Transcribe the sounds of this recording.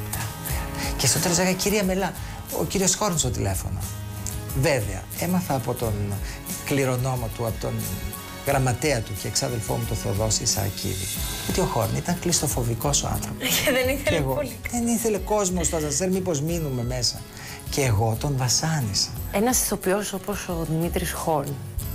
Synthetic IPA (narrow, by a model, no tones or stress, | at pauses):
cest̪ot̪elozleɣɐciɾiɐmelɐ | o̰ciɾio̞sxo̞ɾnst̪o̞t̪ile̞fo̞̰no̰ | veveɐ̰emɐθɐːpo̞t̪o̞n | kliɾo̞no̞mot̪uɐpot̪on | ɣɾɐmɐt̪eɐt̪uceːksɐðe̞lfo̞̰mut̪oθɐðo̞sisɐ̰cʰḭðḭot̪io̞xo̞ɾnit̪ɐŋklist̪o̞fo̞viko̞soɐ̰nθɾo̞poðeniθeeɣoðe̞niθe̞le̞ko̞zmost̪ɐzɐseɾmipozminume̞me̞sɐ | ceːɣo̞t̪o̞ɱvɐsɐnisɐ̥enɐsi̥θo̞pio̞soposoðimit̪ɾisxoɾn